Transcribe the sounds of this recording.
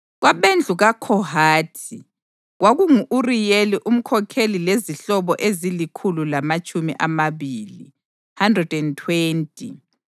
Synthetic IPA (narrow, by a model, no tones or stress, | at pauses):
ɣwaβend͡ɮʱuɣakʰɔhaːtʰi | ɣwaɣuŋuʔurijeliʔum̩kʰɔkʰelileziɬɔβɔʔezilikʰululamat͡ʃʼumḭʔamaβilḭ | handrɛdɛntʰweːntʼi